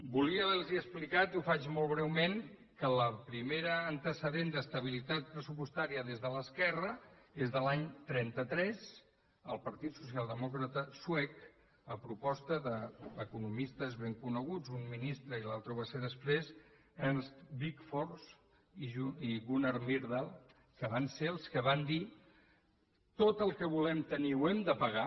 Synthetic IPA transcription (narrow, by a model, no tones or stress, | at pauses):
buliələlˠziəsplikat̪ufat͡ʃmɔlˠβɾɛwmeŋ | kələpɾimeɾəːnt̪əsəðend̪əst̪əβ̞ilit̪at̪̚pɾəsupuəst̪aɾiəðezðələskɛrəezðəlaɲt̪ɾɛnt̪ət̪ɾɛz | əlˠpəɾt̪it̪susialˠd̪əmɔkɾət̪əswɛk | əpɾupɔst̪əðəəkunumist̪əzβeŋkunəɣ̞ud͡zumminist̪ɾəilalˠt̪ɾuβaseðəspɾez | ənsbikfoɾs | iʒuiɣunəɾmiɾðalˠ | kəβanseəlˠskəβand̪i | t̪ot̪əlˠkəβulɛmt̪əniwɛmd̪əpəɣa